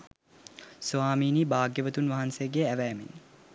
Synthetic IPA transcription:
sʋaːmiːniːbaːɡjəʋət̪unʋaɦansejəɡeæʋæːmḭn

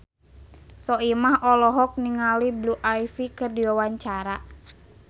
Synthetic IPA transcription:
sɔimahɔlɔɦɔk̚niŋalibluʔajfikərdiwawaɲt͡ʃaɾa

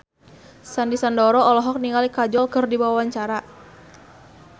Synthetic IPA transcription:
sandisandɔɾɔɔlɔɦɔk̚niŋalikad͡ʒɔlkərdibawawaɲt͡ʃaɾa

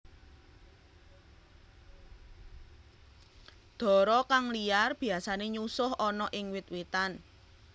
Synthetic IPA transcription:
d̪̥ɔ̤ɾɔkaŋlijarb̥i̤asaneɲusʊhʔɔnɔʔɪŋwɪt̪̚wit̪an

